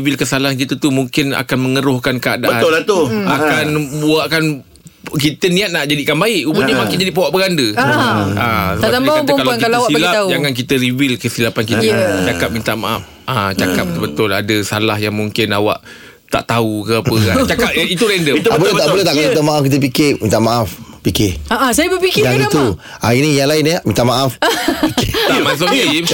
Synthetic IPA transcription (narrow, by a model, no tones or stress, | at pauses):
wɪlkəsalaank̬it̪ət̪umuŋkɪna̰kanməŋəɾʊhkankəadabəʊlat̪ʊakanbuakan | k̬it̪ənĩat̪̚naʔd͡ʒadikanbaɪʔubəɲamaŋkɪnd͡ʒadiʔpawaʔpəɡandə | asəaakaakalaakiasiblaad͡ʒaŋank̬it̪əɾiwɪlkəsilapank̬it̪ət͡ʃakap̚mint̪aʔmaʔap̚ | at͡ʃakap̚bət̪əbət̪ʊladəsalahjaŋmuŋkɪnawa̰ʔ | t̪a̰ʔt̪aukəpəat͡ʃakapit̪uɾɛndəbolɛt̪aʔbolɛt̪aʔkait̪amaʔafk̬it̪əp̬ikɪʔmĩnt̪aʔmaʔafpikɪaʔasajabəpikɪɡadət̪u | ainijaŋlaɪnəmint̪aʔmaʔaf | t̪amas̬oi